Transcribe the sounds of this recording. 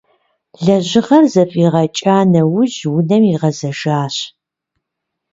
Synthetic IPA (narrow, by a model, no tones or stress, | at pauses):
ɮɐʑɪʁɐrzɐfʼiːʁɐt͡ʃʼaːnɐwʊʑwʊnɐmiʁɐzɐʒaːɕ